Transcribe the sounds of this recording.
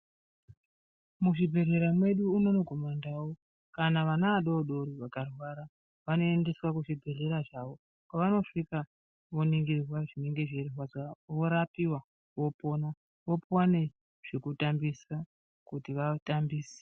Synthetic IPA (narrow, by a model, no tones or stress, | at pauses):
muʐibʱe̞re̞ɾamwe̞ɗuːno̞no̞ko̞mandawo | kanaʋanaaɗooɗoɾiʋakarwaɾa | ʋano̞ende̞swakuʐibʱe̞ɮe̞ɾaʐaʋo̞ | kwaʋano̞ʂika | ʋoniŋɡirwaʐine̞ŋɡe̞ʐererwazaʋo̞ɾapiwa | ʋo̞po̞na | ʋopwane̞ | ʐ̥ekutambisa | kutiʋatambiːse̥